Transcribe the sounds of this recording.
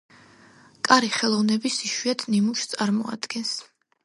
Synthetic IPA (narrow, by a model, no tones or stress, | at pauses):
kʼaɾiχɛlˠɔvnɛbisiʃwiat̪ʰnimuʃt̪sʼaɾmɔa̰d̪̥ɡ̥ɛns